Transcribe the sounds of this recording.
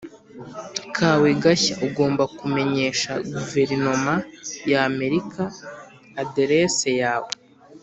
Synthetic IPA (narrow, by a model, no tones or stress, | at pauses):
kʰaːweɡaçauɡo̞ːmbakume̞ɲe̞ːʃaɡuve̞ɾino̞majaːme̞ɾikaː | de̞ɾesejaːwe